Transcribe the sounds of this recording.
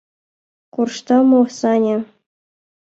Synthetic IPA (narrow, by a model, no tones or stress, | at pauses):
kurʂt̪ɑmosɑnʲĕ